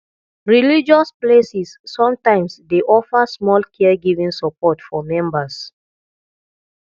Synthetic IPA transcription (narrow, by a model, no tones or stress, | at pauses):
ɹilid͡ʒɔsplesisːɔ̃mtãɪ̃msdeʔɔfəsmɔlkʰɛɡivĩŋsəpɔtfɔmɛ̃mbəs